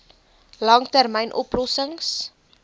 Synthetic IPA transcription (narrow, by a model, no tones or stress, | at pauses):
lɑŋtærmɛjnʔɔplɔsəŋs